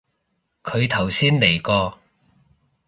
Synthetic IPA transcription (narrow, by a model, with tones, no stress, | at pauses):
kʰɵ˨˧ɥt̪ʰɐ˨˩wsiː˥nle˨˩jkɔː˧